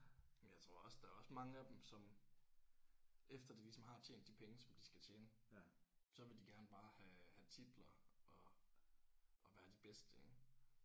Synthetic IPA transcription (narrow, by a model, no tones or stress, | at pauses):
mnjɑ̈ɪt͡sʰʁo̝ɐ̰ɒ̽sd̥ɑ̈ɒ̽smɑ̈ŋəæd̥emsɒ̽m | efd̥ɐd̥ilisɒ̽mɦɑ̈t͡ɕʰḛːnd̥ːipʰeŋəsɒ̽md̥isɡ̥æt͡ɕʰeːnə | sɒ̽ʋe̝ld̥iɡ̥æɐnəb̥ɑ̈ːhæhæt͡sʰid̥lɐʔɒ̽ | ʔːʋæːɐd̥ib̥esd̥əeɡ̥